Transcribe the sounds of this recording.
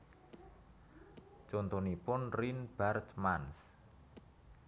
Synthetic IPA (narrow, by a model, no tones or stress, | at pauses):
t͡ʃont̪onipʊnrinb̥art̪mans